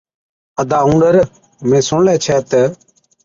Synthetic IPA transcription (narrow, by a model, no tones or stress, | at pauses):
əd̪aːũːɳɖəɾ | mẽːsõːlɛ̃ːt͡ʃʰɛːt̪ə